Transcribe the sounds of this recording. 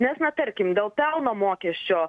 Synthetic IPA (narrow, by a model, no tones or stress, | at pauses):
nʲɛsnʲɛt̪ɐɾʲkʲɪmd̪ʲeːlˠpʲɛlˠnoːmoːkʲɛsʲt͡ʃʲoː